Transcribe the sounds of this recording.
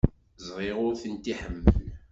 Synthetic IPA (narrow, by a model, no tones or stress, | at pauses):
zˤʁˤeʁʊɾθənt̪iħəmːə